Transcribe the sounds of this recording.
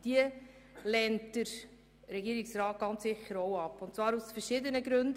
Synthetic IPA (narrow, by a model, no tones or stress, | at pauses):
d̥iə | lɛntəɾ | ɾɛɡiːɾiksɾɑːt̚ɡ̥ɑnt͡ssɪχːəɾoʊɑpːʊntt͡svɑːɾusfəɾʃɪdənəɡɾɵnd